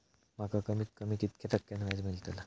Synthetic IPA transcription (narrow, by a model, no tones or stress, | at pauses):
makakəmiːt̪̚kəmiːkit̪kʰet̪əkːjanʋad͡zmilt̪əla